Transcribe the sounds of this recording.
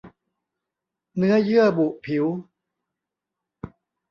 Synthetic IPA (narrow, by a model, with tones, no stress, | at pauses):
nɯ˦˥ɐjɯ˥˩ɐəbu˨˩ʔpʰi˩˦w